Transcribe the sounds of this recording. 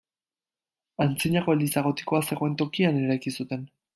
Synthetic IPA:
ant͡siɲako̞eld̪isaɣ̞o̞t̪i̥ko̞ase̞ɣo̞e̞nt̪o̞kiane̞ɾajkisut̪e̞n

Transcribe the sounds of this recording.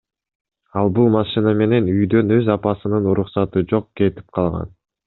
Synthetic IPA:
ɑlˠbulˠmɑʃɨnɑme̞ne̞nyjd̪ø̞nø̞zɑpɑsɯnɯnuɾuqsɑt̪ɯd͡ʒo̞q̚ke̞t̪i̥p̚qʰɑlˠʁɑ̰n

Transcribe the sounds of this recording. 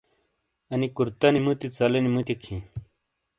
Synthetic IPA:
ɐnikuɾt̪ɐnimut̪it͡sɐlɐnimut̪ikʰĩ

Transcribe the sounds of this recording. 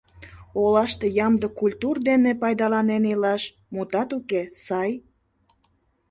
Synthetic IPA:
olɑʃt̪ejɑmd̪əkulʲt̪urd̪enepɑjd̪ɑlɑnenilɑʃ | mut̪ɑt̪ukesɑj

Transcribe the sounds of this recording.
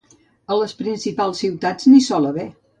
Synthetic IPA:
ələspɾinsipalˠsːiwt̪ad͡znisɔləβe

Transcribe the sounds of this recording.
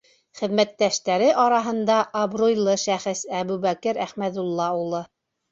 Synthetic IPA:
χɘ̆ðmæt̪ːæʃt̪æɾɘʔɑɾɑɦɤ̆nd̪ɑʔɐbrojlˠɤʃæχɘsæβʉβækɘɾæχmæðulˠːɑulˠɤ

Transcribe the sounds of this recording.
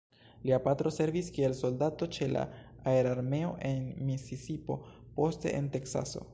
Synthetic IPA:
liapat̪ɾo̞se̞ɾviskielso̞ldato̞t͡ʃe̞la̰ | aeɾaɾme̞o̞̰ʔe̞nmisisipo̞̰ | po̞ste̞̰ʔḛnte̞ksa̰so̞̰

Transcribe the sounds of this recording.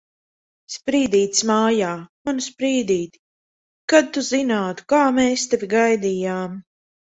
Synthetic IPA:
spɾiːd̪iːt̪smaːjaːmanspɾiːd̪iːt̪i̥ | kad̪̚t̪uzinaːt̪u̥kaːmeːst̪evʲiɡajd̪iːjaːm

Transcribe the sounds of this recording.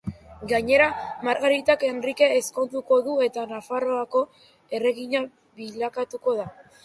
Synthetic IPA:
ɡaɲe̞ɾamaɾɣaɾit̪ake̞nrike̞ːsko̞nt̪uko̞ðue̞t̪anafaro̞ako̞ | e̞re̞ɣiɲa | βiʎakat̪uko̞ð̞a

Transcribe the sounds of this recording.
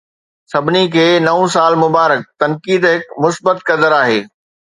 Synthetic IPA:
sɐbʱɪnikʰeːnɐũsaːlmʊbaːɾək̚t̪ɐnkiːd̪ɦɪkmʊsbət̪kɐd̪əɾaːɦeː

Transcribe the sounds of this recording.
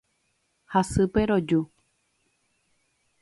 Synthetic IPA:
hasɨpeɾod͡ʒu

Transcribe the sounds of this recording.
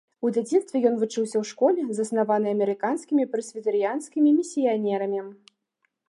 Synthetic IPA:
ud̪ʲad͡zʲinst̪vʲɛjɔn̪vut͡ʂɨwsʲɐwʂkɔlʲɛzɐsnavanɨɐmʲɛɾɨkanskʲimʲipɾɐsʲvʲit̪ɨɾɨjanskʲimʲimʲisʲijanʲɛɾɐmʲi

